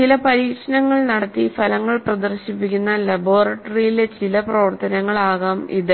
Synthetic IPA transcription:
t͡ɕilɐpɐɾiːkʂɐnɐŋːɐɭnɐɽɐt̪ːifɐlɐŋːɐɭprɐd̪ɐrɕipːikʲːunːɐlɐboːrɐʈːɐrijilet͡ɕilɐprɐʋɐrt̪ɐnɐŋːɐɭaːɣaːmḭðɨ

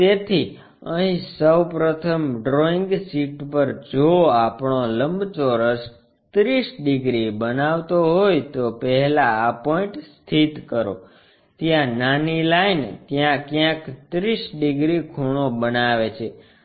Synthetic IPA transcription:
t̪et̪ʰi | əɦĩsəwpɾət̪ʰəmɖɾoiŋɡsiʈpəɾd͡ʒoapɳoləmbt͡ʃoɾəs | t̪ɾisɖiɡɾibənaʋt̪oɦojt̪opəɦɛlaːpɔĩɳʈst̪ʰit̪kəɾo̰ | t̪jãnanilaint̪jãkjãkt̪ɾisɖiɡɾikʰuɽ̃obənaʋet͡ʃʰe

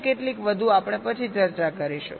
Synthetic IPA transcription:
keʈlikʋəd̪ʱuapəɳ̃epət͡ʃʰit͡ʃəɾt͡ʃakəɾiʃṵ

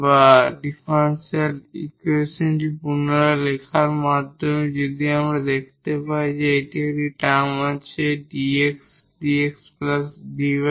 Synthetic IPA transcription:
baɖifanselḭkuesonʈipunoɾalekʰaɾmad̪ʱːomed͡ʑod̪iamɾad̪ekʰt̪epaid͡ʑeeʈieɾiʈamat͡ɕʰeɖieks | ɖieksplasɖib

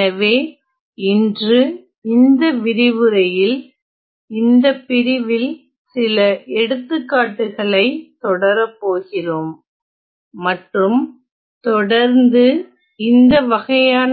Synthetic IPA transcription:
ɐʋeː | ɪndrɯ | ɪnd̪ɐʋɪɾɪʋɯɾɐjɪl | ɪnd̪ɐpːɪɾɪʋɪl | sɪlɐʔɛɽɯt̪ːɯkːaːʈːɯɣɐɭɐɪt̪ɔɽɐɾɐpːoːɣɪroːmː | ɐʈrɯm | t̪ɔɽɐɾnd̪ɯ | ɪnd̪ɐʋɐɣɐjaːn

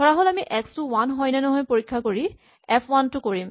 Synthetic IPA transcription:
dʱɔɹaɦolamiʔɛkstuwanɦɔjnɛnɔɦɔjpoɹikʰːakoɹi | ɛpʰwantʊkoɹim

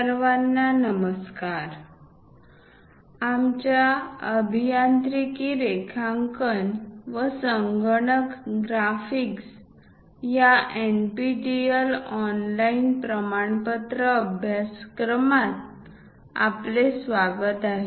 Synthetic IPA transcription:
əɾʋanːanəməskaɾ | amt͡ɕjaəbʱijant̪ɾikiɾekʰãŋkənʋəsəŋɡəɳəkɡɾafiks | jaʔenpiʈiəlɔnlainpɾəmaɳpət̪ɾəəbʱjaskɾəmat̪̚ | a̰plesʋaɡət̪aɦe

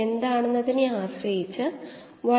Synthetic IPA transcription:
e̞nd̪aːɳe̞nːɐðineaːɕrɐjit͡ɕːɨ | ʋɐ

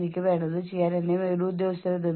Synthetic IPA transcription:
ɾikʲːɐʋeːɳɖɐðɨt͡ɕejːaːnenːejumeɾuːd̪joːst̪ɐɾɐd̪e

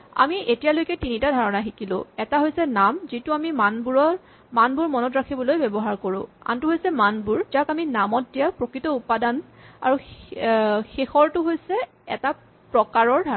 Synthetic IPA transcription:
a̰miʔetijalojkɛtinitadʱaɹɔnaɦikilʊ̰̃ɛtaɦojsɛnamzitʊamimanbuɹɔ | manbuɹmɔnɔtɹakʰibɔlojbɛbɔɦaɹkoɹʊ̰̃a̰ntʊɦojsɛmanbuɹd͡ʒakaminamɔt̚dijapɹokɹitɔupadana̰ɹu | xexɔɹtʊɦojsɛ | ɛta | pɹɔkaɹɔɹdʱa

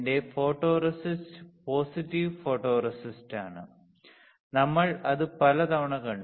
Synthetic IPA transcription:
de̞fo̞ːʈːo̞ːrɐsistpo̞ːsitːiʋfo̞ːʈːoːrɐsistaːɳɨ | nɐmːɐɭɐðɨpɐlɐt̪ɐʋɐɳɐkːɐɳ

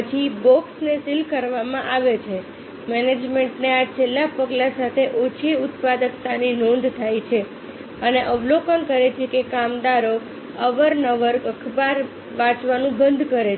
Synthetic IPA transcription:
ət͡ʃʰibɔksnesilkəɾʋamãʔaʋet͡ʃʰe | mɛned͡ʒmeɳʈneat͡ʃʰelːapəɡlãsat̪ʰeʔot͡ʃʰiʊt̪̚pad̪əkt̪aninɔ̃nd̪ʱt̪ʰajt͡ʃʰe | əneʔəʋlokənkəɾet͡ʃʰekekamd̪aɾo | əʋəɾnəʋəɾkəkʰbaɾ | ʋãt͡ʃʋanũbənd̪ʱkəɾe

